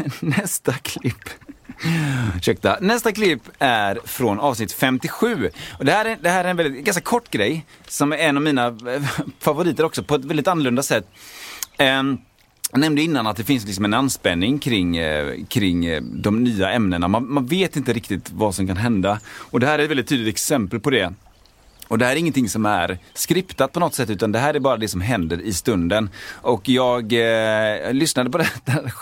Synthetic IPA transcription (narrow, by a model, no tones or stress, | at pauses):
nɛst̪akʰlɪpː | ɕɛk̚t̪a̰nɛst̪aklɪpːæɾfɾɔnɑːvsnɪt̪fɛmt̪ɪɧʉ̟ːɔd̪ɛhæːɾd̪ɛhæːɾæɾɛnvɛlɪt̪ɡanskakʰɔʈːɡɾɛjsɔmɛnːɑvmiːna | favʊɾiːt̪əɾɔksɔpʰɔɛt̪vɛld̪ɪt̪anːəlɵnd̪asɛt̪ː | nɛmnd̪əɪnːanat̪̚d̪ɛfɪns̬lɪks̬ɔmɛnanːspɛnːɪŋkʰɾɪŋːkʰɾɪŋːd̪ɔmnyːaʔɛmnəna̰manmanveːt̪ɪnt̪əɾɪkt̪ɪt̪vasɔmkanɦɛnd̪aɔd̪ɛhæːɾɛt̪vɛld̪ɪt̪ʰːyːd̪lɪt̪ɛksɛmpəlpɔd̪ɛ | ɔd̪ɛhæːɾɪŋːənt̪ʰɪŋsɔmæ̰ɾskɾɪpt̪at̪̚pʰɔnɔt̪sɛt̪ːʉ̟ːt̪and̪ɛɦæːɾæɾbɑːɾad̪ɛsɔmɦɛnd̪əɾɪst̪ɵnd̪ənɔkjɑːɡ | lʏsnad̪əpɔd̪ɛd̪æ